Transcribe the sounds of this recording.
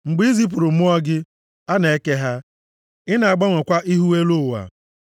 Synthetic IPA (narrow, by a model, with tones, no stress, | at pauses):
ŋ͡m̩˨ɡ͡bi˨˦i˦zi˦p̬u˨ɾʊ˨mʊ˦ɔ˦ɡɪ˦ | a˦ne˨e˦ke˦ɦa˦ | ɪ˦na˨a˨ɡ͡ba˦ŋʷe˨kʷa˦ʔi˦ɦu˦we˦lo˦˨wa̰˨